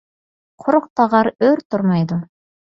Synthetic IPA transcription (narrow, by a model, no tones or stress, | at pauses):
qʰoɾŏq̚t̪ɑʁɑɾɵɾt̪oɾmɑjd̪o